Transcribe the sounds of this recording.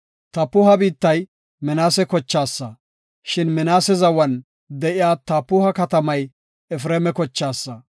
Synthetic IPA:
t̪ɐpːʊhɐbiːt̪ːɐj | mɛnaːsɛkɔt͡ʃːaːsːɐ | ʃɪnmɛnaːsɛzɐwɐn | d̪ɛʔɪjaːt̪ɐpːʊhɐkɐt̪ɐmɐj | ɛfɾeːmɛkɔt͡ʃːaːsːɐ

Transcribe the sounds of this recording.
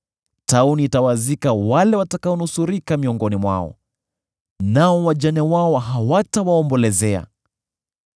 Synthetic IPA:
tauniːtawazikawalɛwatakaɔnusuɾikamiɔŋɡɔnimwa̰ɔ̰ | naɔwaʄanɛwaɔɦawatawaɔmbɔlɛzɛa̰

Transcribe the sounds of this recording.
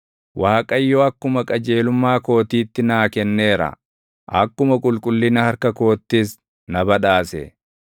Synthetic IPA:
waːkʼɐjːɔɐkːʊmɐkʼɐd͡ʒe̞ːlʊmːaːko̞ːt̪iːt̪ːɪnaːkɛnːe̞ːɾɐ̰ | ʔɐkːʊmɐkʼʊlkʼʊlːɪnɐhɐɾkɐko̞ːt̪ːɪs | nɐbɐᶑaːsɛ̰

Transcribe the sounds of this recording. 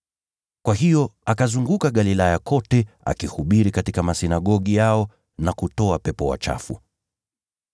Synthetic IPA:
kwaɦijɔakazuŋɡukaɠalilajakɔtɛ | a̰kihuɓiɾikatikamasinaɠɔɠijaɔ | nakutɔapɛpɔwa̰t͡ʃa̰fu

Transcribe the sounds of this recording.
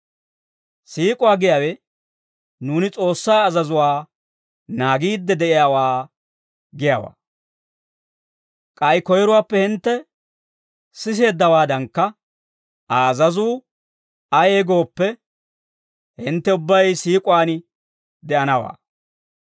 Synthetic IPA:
siːkʼʊwaːɡɪjaːwɛ | nuːnɪt͡sʼo̞ːsːaːɐzɐzʊwaː | naːɡiːd̪ːɛd̪ɛʔɪjaːwaː | ɡɪjaːwa̰ː | kʼɐjkɔjɛɾʊwaːpːɛhɪnt̪ːɛ | sɪs̬e̞ːd̪ːɐwaːd̪ɐŋkːɐ | ɐːzɐzuː | ɐjeːɡo̞ːpːɛ | hɪnt̪ːɛʊbːɐjsiːkʼʊwaːn | d̪ɛʔɐnɐwa̰ː

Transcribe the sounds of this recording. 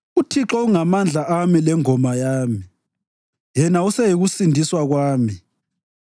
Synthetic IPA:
utʰiǁɔuŋamand͡ɮʱaʔamilɛŋɔmajaːmi | jɛnausɛjiɣusindʱiswaɣwaːmi

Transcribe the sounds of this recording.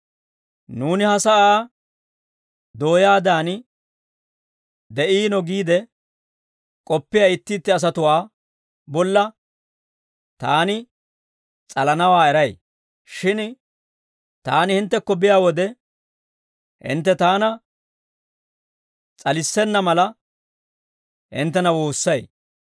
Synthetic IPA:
nuːnɪhɐsɐʔaː | d̪o̞ːjaːd̪aːnɪ | d̪ɛʔiːnɔɡiːd̪ɛ | kʼɔpːɪjaɪt̪ːɪːt̪ːɪɐs̬ɐt̪ʊwaː | bɔlːɐ | t̪aːnɪ | t͡sʼɐlɐnɐwaːɛɾɐj | ʃɪn | t̪aːnɪhɪnt̪ːɛkːɔbɪjaːwɔd̪ɛ | hɪ̰nt̪ːɛt̪aːnɐ | t͡sʼɐlɪsːɛnːɐmɐlɐ | hɪ̰nt̪ːɛnɐwoːsːɐj

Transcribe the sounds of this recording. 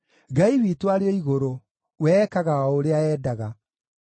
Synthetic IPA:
ɡaiwitwaɾeeiɣoɾo | wɛkaɣaoɾeaɛːdaɣa

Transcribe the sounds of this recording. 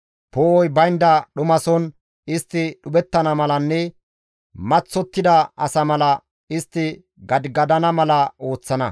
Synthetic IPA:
poːɔjbɐjnd̪ɐɗʊmɐsɔn | ɪst̪ːɪɗʊbɛt̪ːɐnɐmɐlɐnːɛ | mɐt͡sːɔt̪ːɪd̪ɐʔɐsɐmɐlɐ | ɪst̪ːɪ | ɡɐd̪ɡɐd̪ɐnɐmɐlɐo̞ːt͡sːɐnɐ̰

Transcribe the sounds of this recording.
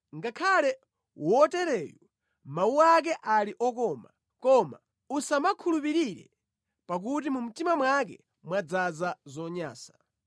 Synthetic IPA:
ŋɡakʰalɛ | wɔtɛɾɛːjɔ | mauak̬ɛʔaliʔɔkɔma̰ | kɔma̰ | usamakʰulupiɾiɾɛ̰ | pak̬utimum̩timamwak̬ɛ̰ | mwad͡zazazɔɲa̰ːsḁ

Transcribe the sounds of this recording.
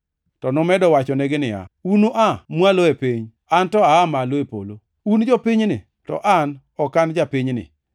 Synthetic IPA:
tɔnɔmɛdɔwat͡ʃɔnɛɡɪnɪa̰unoʔamwaloepiɲ | antɔaːmaloepo̰lo | und͡ʒɔpiɲnɪ | tɔ̰ʔan | ɔkand͡ʒapiɲnɪ̰

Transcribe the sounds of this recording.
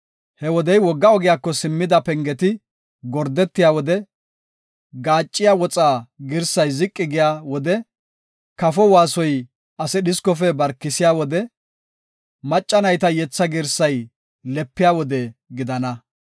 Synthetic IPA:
hɛwɔd̪ɛjwɔɡːɐɔɡɪjaːkːɔsɪmːɪd̪ɐpɛŋɡɛt̪ɪ | ɡɔɾd̪ɛt̪ːɪjaːwɔd̪ɛ | ɡaːt͡ʃʼːɪjaːwɔt͡sʼaːɡɪɾsɐjzɪkʼːɪɡɪjaːwɔd̪ɛ | kɐfɔwaːsɔj | ʔɐsɛɗɪskɔfɛbɐɾkːɪsɪjaːwɔd̪ɛ | mɐt͡ʃʼːɐnɐjt̪ɐjɛt͡sːɐɡɪɾsɐj | lɛpːɪjaːwɔd̪ɛɡɪd̪ɐnɐ

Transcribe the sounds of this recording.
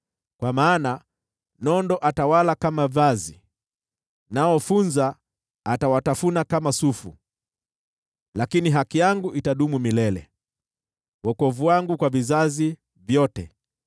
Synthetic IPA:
kwamaːna | nɔndɔʔatawalakamavazi | naɔfunzaː | tawatafunakamasufṵ | lakiniɦakijaŋɡuʔitaɗumumilɛlɛ̰ | wɔkɔvuwaŋɡukwavizazi | vjɔtɛ

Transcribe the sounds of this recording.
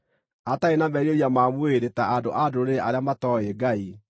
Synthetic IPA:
ataenamɛɾoɾiamamweɾetaado̰ʔadoɾeʔaɾeamatɔeɡai

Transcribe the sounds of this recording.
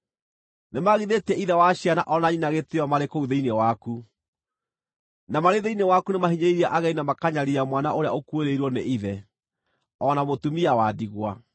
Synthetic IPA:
nemaɣiðetɛʔiðɛwaɕiana̰ʔɔnaɲinaɣeteɔmaɾekouðeinewaku | namaɾeðeinewakunemaɦiɲeiɾiaʔaɣɛinamakaɲaɾiamwana̰ʔoɾea̰okweɾeiɾwɔneʔiðɛ | ɔnamotumiawadiɣwa

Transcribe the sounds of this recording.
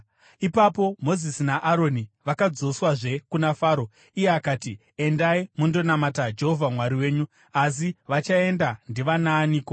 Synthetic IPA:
ipapo̞mo̞zisinaʔaɾo̞niʋakad͡zo̞swaʐe̞kunafaːɾo̞ | ije̞akaːti | e̞ndaimundo̞namatad͡ʒe̞ɦovʱamwaɾiwe̞ːɲu | as̬iʋat͡ʃae̞ndandiʋanaːniːko

